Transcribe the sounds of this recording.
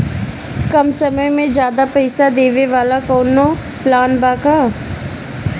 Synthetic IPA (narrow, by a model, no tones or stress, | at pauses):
kɐmsɐməjmẽd͡ʒjaːd̪apɛɪsad̪eːʋeʋaːlakɔːno | plaːnbaːkaː